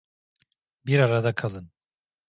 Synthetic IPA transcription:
biɾaɾad̪akʰalˠɯn

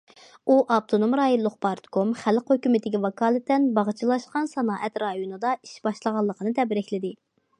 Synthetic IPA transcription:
uʔɑp̚t̪ʰonomɾɑːjolˠːʊqpɑɾt̪kʰomχælqhøkʲymɪt̪ɪkʲivɑkɑːlˠɨt̪ːɛnbɑʁət͡ʃʰilˠɑʃqɑnsɑnɑːʔɛt̪ɾɑjonɨd̪ɑi̥ʃbɑʃlˠəʁɑlˠːəqʰənɨt̪ʰɛbɾɪkʲlɪd̪ɪ

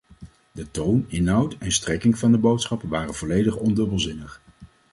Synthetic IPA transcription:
dətownɪnɦʌwtɛnstrɛkɪŋvɑndəbowtsχɑpəʋaːrənv̥ɔlejdəχɔndɵbəlˠzɪnəχ

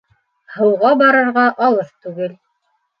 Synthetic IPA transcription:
hɤ̆wʁɑbɑɾɤ̆ɾʁɑʔɑlˠɤθt̪ʉɡɘl

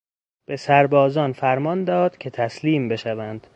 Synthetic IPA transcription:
b̥e̞sæɾbɒːzɒːnfæɾmɒnd̪ɒːd̪̥cʲʰe̞t̪ʰæsliːmbe̞ʃævænd̪̥

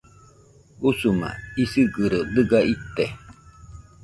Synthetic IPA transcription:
usuma̰isiɡɨɾod̪ɯɡait̪ːe

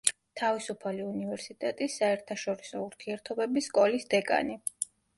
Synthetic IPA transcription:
t̪ʰavisupʰaliunivɛɾsit̪ʼɛt̪ʼisːaɛɾt̪ʰaʃɔɾisɔuɾt̪ʰiɛɾt̪ʰɔbɛbisːkʼɔlisd̪ɛkʼa̰ni

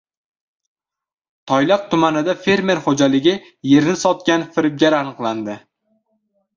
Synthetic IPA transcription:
t̪ʰɒjlˠɑq̚t̪ʰʊmanɪd̪afe̞ɾme̞ɾχod͡ʒalɪɡʲɪ | je̞ɾnɪsɒt̪̚kʲanfɪɾɪp̚ɡʲaɾanɨqlˠand̪ɪ

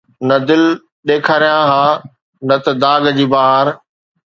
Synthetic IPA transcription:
nɐd̪ɪl | ɗeːkʰaːɾijãɦãː | nɐt̪ɐd̪aːɡd͡ʑiːbaːɦaɾ

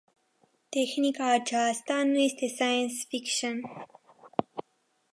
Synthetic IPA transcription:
t̪exnikaːt͡ʃaːst̪anest̪esajənsfikʃən

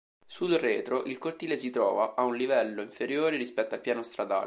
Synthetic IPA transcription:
sud̪reːt̪ɾoʔilkort̪iːlesit̪ɾɔ̰ːvaʔaunlivɛlːoiɱfeɾjoːɾeɾispɛt̪ːoalpjaːnost̪ɾad̪a̰ːl

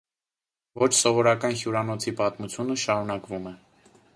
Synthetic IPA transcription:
vɔt͡ʃʰsɔvɔɾɑkɑnhjuɾɑnɔt͡sʰipɑt̪mut͡sʰjunəʃɑɾunɑkvumɛ

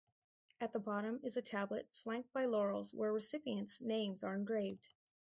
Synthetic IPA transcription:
ɨt̪̚ðəbɑɾə̃mɨzɨtʰæblə̰t̚flæ̃ŋk̚t̚b̥aɪlɔɹl̩ˠzwə˞ɹɨsɪpiɨ̃ntsnẽɪ̃mzə˞ɨ̃nɡɹeɪvd̥

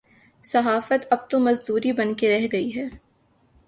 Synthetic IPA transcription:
sɐɦaːfət̪ɐb̚t̪omɐzd̪uːɾibɐnkeɾɛɦɡɐiɦɛː

